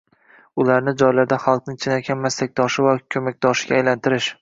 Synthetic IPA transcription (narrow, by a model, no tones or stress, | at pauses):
ʊlaɾnɪd͡ʒɒjlaɾd̪aχɑlˠq̚nɪŋt͡ʃʰɪnakʲʰanmast̪ak̚ʲd̪ɒʃɪvakʲʰɵmak̚ʲd̪ɒʃɪ̥ɡʲaːjlant̪ʰɪɾɪʃ